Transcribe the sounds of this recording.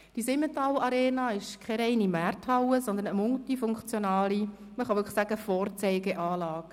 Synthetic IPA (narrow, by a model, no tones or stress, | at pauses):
d̥isɪmətɑwɑɾɛːnɑːɪʃkʰɛɾɛɪnimæːrthɑwəzɔnd̪ənəmʊltifʊŋkt͡sjɔnɑːli | məχɑʋʏkχə̥sæɡ̥əfɔːrt͡sɛɪɡeʔɑːlɑːɡ̥